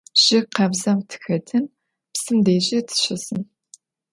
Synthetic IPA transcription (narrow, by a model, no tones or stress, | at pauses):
ʒ̥ɪqʰɐbzɐmtʰɨ̥xɐtʰɨn | psɨmdeːʒitʰɨ̥ʃɐsɨn